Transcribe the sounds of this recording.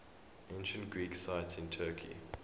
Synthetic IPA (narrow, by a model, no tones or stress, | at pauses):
ʔẽnʃə̃ntɡ̥ɹiːksaɪtɪ̃ntʰɜːkʰḭ